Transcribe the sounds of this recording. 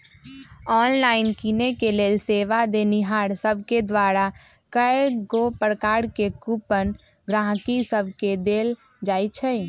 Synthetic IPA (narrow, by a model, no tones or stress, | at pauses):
ɔːnlaːɪnkinekeleːlseːʋad̪eniɦaːɾsəbʱked̪waɾa | kəeɡopəɾkaːɾkekupən | ɡɾãːɦkisəbʱked̪eːl | d͡ʒaːjt͡ʃʰɛ